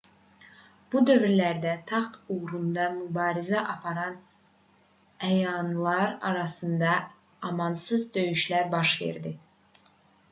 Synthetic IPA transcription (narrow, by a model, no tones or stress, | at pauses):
b̥ud̪ø̞vɾilæɾd̪æt̪ʰɑχt̪uɣɾund̪ɑmubɑːɾizæʔɑpʰɑɾɑn | æjɑnlˠɑɾɑ̰ɾɑsɯnd̪ɑ | ɑmɑnsɯzd̪ø̞jyʃlæɾbɑʃve̞̰ɾd̪i